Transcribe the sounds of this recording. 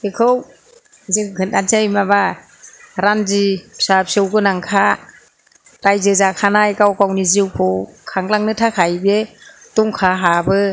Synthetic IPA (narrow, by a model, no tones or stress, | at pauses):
ekʰɯw | ziŋkʰɯnant͡ʃajmaba | ɾanzisapsɯwɡɯnaŋkʰa | ɾajzɯzakʰanajkawkawniziwkʰɯwkʰaŋlaŋnɯtʰakʰajbe | tuŋkʰaɦabɯ